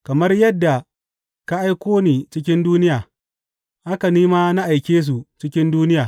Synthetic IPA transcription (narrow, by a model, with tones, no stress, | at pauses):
kɐ˨mɐ˦rjɐ˦dːa˨ | ka˦ʔa˦jkʷoː˦niː˨t͡ʃɪ˦k̬ʲɪ˦nduː˦nɪ˦jaː˨ | ʔa˦ka˨niː˦ma˦na˦ʔa˨jkʲeː˦s̬u˨t͡ʃɪ˦kʲɪ˦nduː˦nɪ˦jaː˨